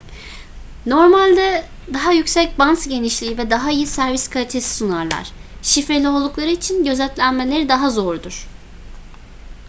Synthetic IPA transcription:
no̞ɾmalʲd̪ɛ | d̪aɦajycsɛc̚bansɟe̞niʃlʲiːvɛd̪aɦaijisæɾviskʰalʲit̪ʰe̞si̥sunaɾlˠa̰ɾ̝̥ʃifɾe̞lʲio̞lˠd̪uklˠaɾɯit͡ʃʰinɟø̞zɛt̪lʲænmelʲe̞ɾid̪aɦazo̞ɾud̪uɾ̥

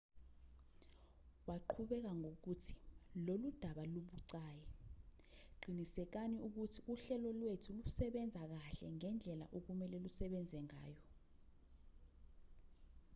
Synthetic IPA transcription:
waǃʰuɓɛk̬aŋok̬utʰi̥lolud̥ʱaɓaluɓuǀaːjɛ | ǃinisɛk̬aniuk̬utʰiuɬɛlɔlwetʰulusɛɓɛnd͡zʱak̬aɬɛ̰ŋɛnd͡ɮʱɛla̰ʔok̬umɛlɛlusɛɓɛnd͡zʱɛŋa̰ːjɔ

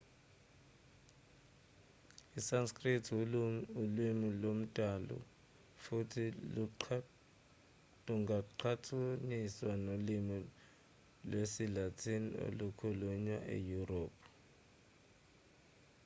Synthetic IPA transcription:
isanskʼritʰulwimilom̩tʼalɔ̰ | futʰilu | luŋɡaǃʰatʰuniswanolimi | lwesilatʰinio̰lukʰuluɲwaʔḛjuroːpʰ

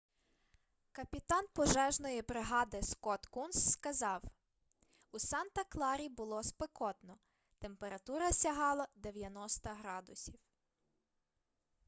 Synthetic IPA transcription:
kɐpʲit̪ɑnpɔʒɛʒnɔjipɾɪɦɑd̪ɪskɔt̪kunsːkɐzɑw | usɑnt̪ɐklˠɑɾʲibʊlˠɔspɪkɔt̪nɔ | t̪empeɾɐt̪uɾɐsʲɐɦɑlˠɐd̪eʋʲjɐnɔst̪ɐɦɾɑd̪ʊsʲiw

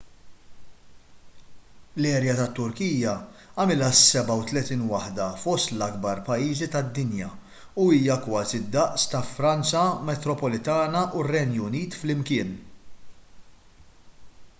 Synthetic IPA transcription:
lɛːɾjɐt̪ɐt̪ːʊɾkiːjɐɐmɪlɐsːɛbɐwt̪lɛt̪iːnwɐħd̪ɐfɔst̪lɐɡbɐɾpɐjːiːzit̪ɐd̪ːɪnjɐ | uiːjɐkwɐːzid̪ːɐʔst̪ɐfɾɐnt͡sɐmɛt̪ɾɔpɔlɪt̪ɐːnɐʔurːɛnjʊniːt̪flɪmkɪːn

